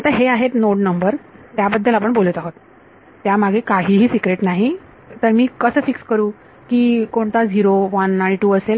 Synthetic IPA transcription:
at̪aɦeaɦet̪noʈnəmbəɾt̪jabəd̪ʱːəlap̬əɳbolət̪aɦot̪ː | jamaɡʱekaɦiːɦiːsikɾeʈnaɦi | t̪əɾmiːkəsəːfikskəɾuː | kiːkoɳt̪ad͡ʑiɾoʋənaɽ̃iʈuːəsel

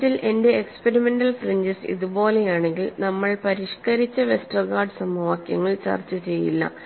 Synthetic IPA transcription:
ilʔe̞nde̞ːkspeɾime̞nɖɐlfriɲd͡ʑɐsḭðubo̞ːle̞jaːɳe̞ŋɡilnɐmːɐɭpɐɾiʂkɐɾit͡ɕːɐʋe̞sʈrɐɣaːɖɨsɐmɐʋaːkjɐ̰ŋːɐɭt͡ɕɐ̰rt͡ɕːut͡ɕe̞jḭlːɐ̰

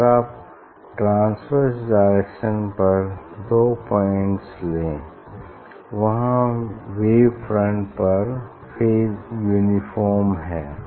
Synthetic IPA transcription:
ɾaːp | ʈɾãːnsfəɾsɖaɪɾekʃə̃npɐɾd̪oːpɔːɪ̃ɳʈslẽː | ʋɐɦãʋeːʋfʰɾə̃ɳʈpɐɾ | pʰɪɾjuːnɪfʰɔːɾmɦɛː

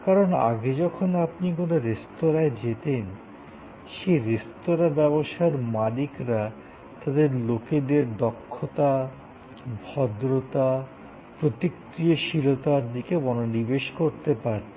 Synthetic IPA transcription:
kaɾona̰ɡed͡ʑɔkʰonapnikonoɾest̪oɾaed͡ʑet̪en | ʃejɾest̪oɾabɛboʃaeɾmalikɾa | t̪ad̪eɾloked̪eɾd̪ɔkʰːot̪a | bʱɔd̪ɾot̪a | pɾot̪ik | ɾioʃilot̪aɾd̪ikebɔnonibeʃkoɾt̪epaɾe

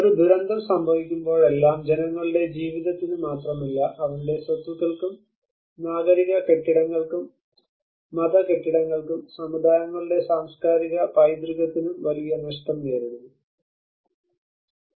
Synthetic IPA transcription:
oɾud̪ʱuɾɐnd̪ʱɐmsɐmbʱɐʋikʲːumbo̞ːɭe̞lːaːmd͡ʑe̞nɐŋːɐɭiɽe̞d͡ʑiːʋiðɐt̪ːinɨmaːt̪rɐmilːɐʔɐʋɐnɖe̞srɐt̪uɣɐɭkum | naːɡɐɾiɣɐke̞ʈːiɽɐŋːɐɭkumː | ɐðɐke̞ʈːiɽɐŋːɐɭkumsɐmud̪ʱaːnɐŋːɐɭiɽe̞saːmskaːɾiɣɐpɐjd̪riɣɐt̪ːinumʋɐɾijɐnɐʂʈɐmneːɾununːu

